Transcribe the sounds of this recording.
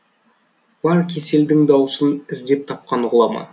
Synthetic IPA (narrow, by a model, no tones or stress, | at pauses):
b̥ɑɾkʲʰe̞se̞ld̪ɪŋd̪ɑwsənɪzd̪e̞p̚t̪ʰɑp̚qɑnʁʊlˠɑmɑ̰n